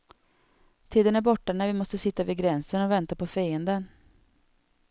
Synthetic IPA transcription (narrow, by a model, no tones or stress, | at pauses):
t̪ʰiːd̪ənæɾbɔʈːanæɾvɪmɔst̪əsɪt̪ːavɪɡɾɛnsənɔvɛnt̪apɔfɛjənd̪ən